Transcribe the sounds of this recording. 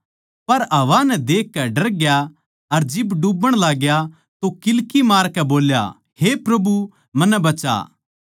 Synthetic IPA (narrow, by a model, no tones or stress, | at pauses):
pɐɾɐʋanɛd̪eːkːɛɖɐɾɡja | ɐɾd͡ʒɪbɖubəɽ̃laːɡja | t̪okɪlkimaːɾkɛboːlja̰ | hepɾɐbu | mɐnːɛ̃bɐt͡ʃa̰ː